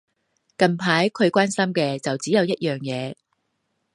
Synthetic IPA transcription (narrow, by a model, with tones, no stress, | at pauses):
kɐ˨˩npʰaː˨˥jkʰɵ˨˧ɥkʷaː˥nsɐ˥mkɛː˧t͡sɐ˨wt͡siː˨˥jɐ˨˧wjɐ˥t̚jœː˨˩ŋjɛː˨˧